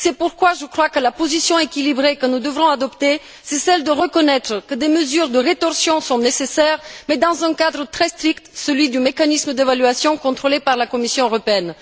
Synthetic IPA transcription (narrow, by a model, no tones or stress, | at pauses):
sɛpuʁkwaʒəkχwakəlapozisjɔ̃ekʲilibʁekənud̪əvʁɔ̃ad̪ɔpt̪e | sɛsɛld̪əʁəkɔnɛt̪χəkəd̪eməzyʁd̪əʁet̪ɔʁsjɔ̃sɔ̃nesesɛʁmɛd̪ɑ̃zɛ̃kad̪ʁət̪χɛst̪χikt̪səlɥid̪ymekanisməd̪evalyasjɔ̃kɔ̃t̪χolepaʁlakɔmisjɔ̃øʁɔpeɛn